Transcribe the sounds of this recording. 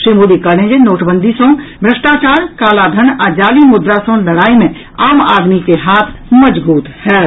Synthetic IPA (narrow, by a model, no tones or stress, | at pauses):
ʃɾimuːd̪ikəɾnẽːd͡ʒenoːʈʰbə̃nd̪ʱisõbʱɾəʃʈaːt͡ʃaːɾkaːlad̪ʱənaːd͡ʒaːlimʊd̪ɾasõlɐɽaːimẽ | aːmaːd̪mikeɦaːt̪ʰməd͡ʒbuːt̪hɛː